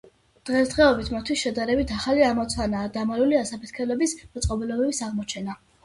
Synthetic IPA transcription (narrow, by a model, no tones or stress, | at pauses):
d̪̥ʁɛsd̪̥ʁɛɔbit̪ʰmat̪ʰwisʃɛd̪aɾɛbit̪ʰaχaliamɔt̪sʰanaːd̪amaluliasapʰɛt̪̚ʰkʰɛlɛbismɔt̪sʼqʼɔbɛlɔbɛbisaʁmɔt͡ʃʰɛna